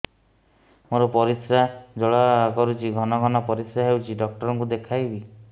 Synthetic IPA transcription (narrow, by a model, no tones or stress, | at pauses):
moɾɔpɔɾisɾad͡ʒɔɭakɔɾut͡ʃʰiɡʱɔnɔɡʱɔnɔpɔɾisɾaɦewt͡ʃʰiɖɔk̚ʈɔɾɔŋkud̪ekʰajbi